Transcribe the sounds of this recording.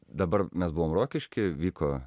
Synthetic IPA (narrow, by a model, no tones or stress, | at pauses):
d̪ɐbɐrmʲɛsbʊʋoːmroːkʲɪʃʲkʲɪʋʲiːkoː